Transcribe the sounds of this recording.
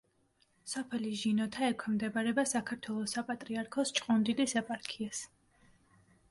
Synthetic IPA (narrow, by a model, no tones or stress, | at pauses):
sɔpʰɛliʒinɔt̪ʰaɛkʷʰwɛmd̪ɛbaɾɛbasakʰaɾt̪ʰwɛlˠɔsapʼat̪ʼɾiaɾkʰɔst͡ʃʼqʼɔnd̪ilisɛpʼaɾkʰias